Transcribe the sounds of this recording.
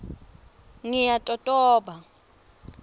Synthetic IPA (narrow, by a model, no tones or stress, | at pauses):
ŋijatʼɔtʼɔːɓa